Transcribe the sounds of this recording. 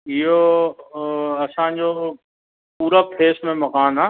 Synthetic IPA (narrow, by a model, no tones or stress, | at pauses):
ɪɦo | ɐsãd͡ʑo | puːɾapʰeːsmẽmɐkaːnaː